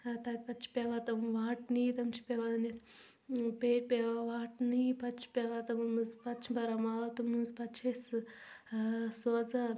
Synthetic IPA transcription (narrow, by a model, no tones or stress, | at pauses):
t̪at̪̚ʲpɐtt͡ʃʰi̥pʲeʋaːt̪ɐmʋaːʈniːt̪ɐmt͡ʃʰi̥pʲeʋani | peːʈ̚pʲeʋaʋaːʈnipɐt͡ʃʰi̥pʲeːʋaːt̪ɐmmɨzpɐtt͡ʃʰibɐɾamalɐt̪umɨzpɐtt͡ʃʰes | soːza